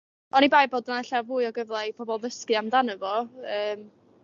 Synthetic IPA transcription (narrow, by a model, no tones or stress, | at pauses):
ɔnibajboːdnaaɬavuːɨɔɡəvlˠajpʰɔbɔlˠðəskɨamdanəvɔəːm